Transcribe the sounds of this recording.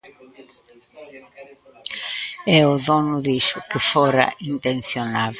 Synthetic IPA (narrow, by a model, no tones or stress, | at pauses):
ɛʊðɔnʊðiʃʊkɪfɔɾɐ̰ʔint̪enθjonað